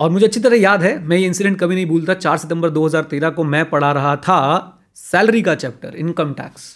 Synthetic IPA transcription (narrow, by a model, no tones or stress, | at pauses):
ɔːɾmʊd͡ʒʱeɐtːʃʰit̪̬ɐɾəjaːd̪ɦɛmɛ̃jeɪ̃nsɪɖɛ̃ɳʈ̚kɐbʱinɐɦĩbuːlt̪at͡ʃaːɾsɪʈ̪ə̃mbəɾd̪oːɦɐzaːɾt̪eːɾakomɛ̃ːpɐɽ̤aɾɐɦat̪ʰa | sɛːlɾikat͡ʃɛːp̚ʈə̰ɾɪ̃nkəmʈɛ̰ːks